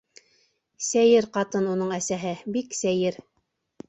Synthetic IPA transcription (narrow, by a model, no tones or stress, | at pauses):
sæjɘɾqɑt̪ɤnunɤɴæsæɦɘbiksæjɘɾ